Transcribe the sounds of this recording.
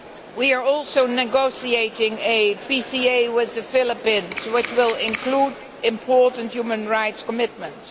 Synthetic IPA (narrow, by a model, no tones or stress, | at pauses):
wiə˞ɔlˠsoʊnɨɡoʊsieɪɾɪ̃ŋɨpisieɪwɪðɨfɪlˠəpĩnzwɪt͡ʃwɪlˠɪ̃nkʰlud | ɪ̃mpʰɔɹtn̩tjumə̃nɹaɪtskəmɪt̚mə̃nts